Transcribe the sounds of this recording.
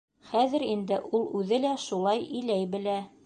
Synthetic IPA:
χæðɘ̆ɾind̪ɘʔulˠʉðɘlæʃulˠɑjilæjbɘ̆læ

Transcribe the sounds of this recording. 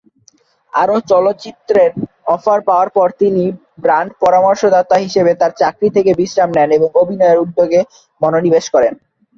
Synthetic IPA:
a̰ɾot͡ɕɔlot̪ːt͡ɕit̪ːɾeɾ | ɔfaɾpaoaɾpɔɾt̪ini | bɾaɳɖpɔɾamɔɾʃod̪at̪ːaɦiʃebet̪aɾt͡ɕakɾit̪ʰekebisɾamnɛneboŋobʱinɔeɾud̪ːoɡe | mɔnonibeʃkɔɾen

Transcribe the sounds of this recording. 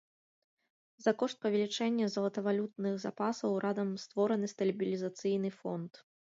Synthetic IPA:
zakɔʂt̪̚pɐvʲɛlʲit͡ʂɛnʲːɐzɐlˠɐt̪ɐvalʲut̪̚nɨxzapasɐwɾʔazɐmst̪vɔɾɐnɨst̪ɐlʲibʲilʲizat̪sɨjnɨfɔ̰nt̪

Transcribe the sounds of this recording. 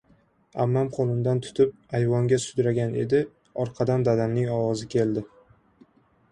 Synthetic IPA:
amːamqʰolˠɪnd̪ant̪ʰʊ̥t̪ʰɪp̚ajvɒŋɡʲasʊd̪ɾaɡʲane̞̰d̪ɪ | ɒɾqʰɑd̪and̪ad̪amnɪŋɒwɒzɪkʲʰe̞ld̪ɪ

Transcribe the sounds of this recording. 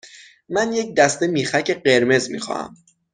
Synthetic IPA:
mænjec̚d̪æst̪e̞miːxæcʰe̞ɢe̞ɾme̞zmḭxɒ̰ːhæ̰m

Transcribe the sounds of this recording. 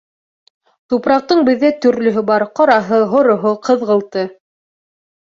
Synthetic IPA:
t̪upɾɑq̚t̪ɤɴbɘ̆ðːæt̪ɵ̆ɾlɵ̆ɦɘbɑɾqɑɾɑɦɤɦŏɾŏɦoqɤ̆ðʁɤ̆lˠt̪ɤ

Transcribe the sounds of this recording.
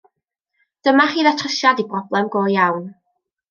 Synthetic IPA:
d̥əmaχiːðatʰrəʃjadibrɔblˠɛmɡoːjawn

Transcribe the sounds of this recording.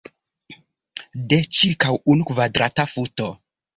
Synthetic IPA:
det͡ʃiɾkawunukvadɾatafuto

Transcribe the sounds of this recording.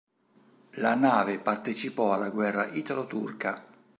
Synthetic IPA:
lanaːvepart̪et͡ʃipɔalːaɡwɛrːaʔit̪alot̪ṵrka

